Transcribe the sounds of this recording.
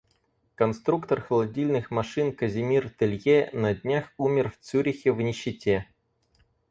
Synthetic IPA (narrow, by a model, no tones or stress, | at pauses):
kɐnst̪ɾukt̪ərxəlˠɐdʲilʲnɨxmɐʂɨnkəzʲɪmʲirt̪ɨlʲjenɐdʲnʲaxumʲɪrft̪suɾʲɪxʲɪvnʲɪɕːɪtʲe